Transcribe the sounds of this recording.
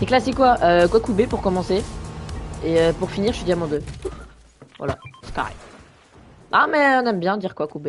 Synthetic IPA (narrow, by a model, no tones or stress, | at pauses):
seklasekwaʔøkwakubepuʁkɔmɑ̃se | eøpuʁfiniʁʒəid̪ʲiamɔ̃d̪ø | vwa̰la̰ska̰ʁɛ̰ | ʔamɛɔ̃nɛmbjɛ̃d̪iʁkwakube